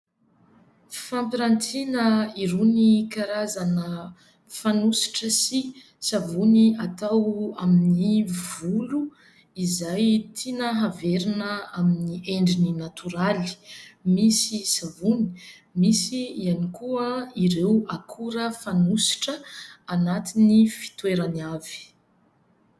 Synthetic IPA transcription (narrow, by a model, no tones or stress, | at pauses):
fampiɾant̪inəiɾenikaɾazanə | fanusi̥ʈ͡ʂəsi | savuniat̪awaminivulu | izajt̪ʰinəɦaveɾinəaminiʔeɳɖ͡ʐininat̪ʰuɾali̥misisavuni̥ | misiianikuəiɾewakʰuɾəfanusi̥ʈ͡ʂəanat̪inifi̥t̪weɾanav̥i̥